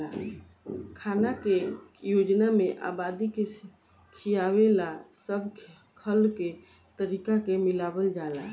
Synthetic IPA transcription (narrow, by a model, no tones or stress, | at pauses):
a̰ | kʰanakejod͡ʒnameʔa̰bad̪ike | kʰijawelasəbʱ | kʰəlke | t̪əɾikakemilabəld͡ʒala̰